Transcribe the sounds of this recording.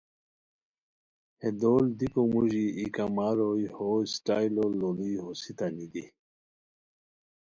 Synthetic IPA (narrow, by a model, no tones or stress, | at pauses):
hed̪old̪ikomuʑiikamaɾojhosʈajlololiɦosit̪anid̪i